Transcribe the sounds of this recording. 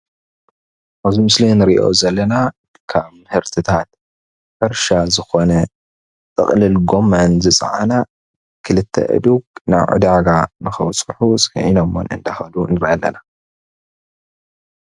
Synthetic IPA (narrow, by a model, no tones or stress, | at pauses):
ʔaβzimɨslenɨɾiʔo̞̰zɐlːɐnadɨkʰamɨhɨɾt̪ʰɨt̪ʰat̪̚ | ħɨɾʃazɨxo̞nɐ | t͡sʼɨ̰χʼlɨlɡo̞mːanzɨt͡sʼʕa̰na | kʰɨlɨt̪ʰːɐ̰ʔɨ̰d̪uɡna̰βʕṵd̪aɡanɨxɐwt͡sʼɨħusʼʕinomːo̰nʔɨ̰nd̪axɐlunɨɾiʔɐlːɐ̰na